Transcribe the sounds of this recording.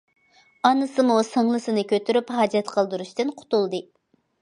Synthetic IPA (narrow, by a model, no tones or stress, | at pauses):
ɑnɨsɨmusəŋlˠɨsɨnɨkʲʰøt̪ʰyɾypɦɑːd͡ʒɛt̪qʰəlˠd̪uɾuʃt̪ɨnqʰʊ̥t̪ulˠd̪ɨ